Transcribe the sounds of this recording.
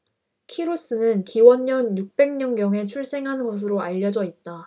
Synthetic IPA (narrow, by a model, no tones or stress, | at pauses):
kʰiɾus͈ɯnɯnkiwʌnɲʌnjuk̚p͈e̞ŋɲʌŋɡjʌŋe̞t͡ɕʰuɭs͈e̞ŋɦanɡʌs̬ʰɯɾoaʎːʌd͡ʑʌit̚t͈a